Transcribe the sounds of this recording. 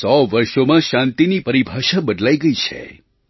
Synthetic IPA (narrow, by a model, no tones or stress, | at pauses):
sɔʋəɾʃomãʃãnt̪inipəɾibʱaʃabəd̪laiɡəit͡ʃʰḛ